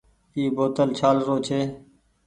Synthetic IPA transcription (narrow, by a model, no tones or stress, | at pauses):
iːboːt̪əlt͡ʃʰaːlɾoːt͡ʃʰeː